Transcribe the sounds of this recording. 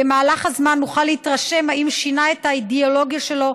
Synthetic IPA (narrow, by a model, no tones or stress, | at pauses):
emaːlaχhazmanːuχalːehitʁaʃe̞mhaimʃinae̞thaideolo̞ɡjaʃe̞lo̞